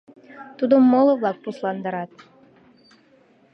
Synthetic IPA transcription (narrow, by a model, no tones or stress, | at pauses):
t̪ud̪əmːolˠəβlɑk̚puslˠɑnd̪ɑɾɑt̪̚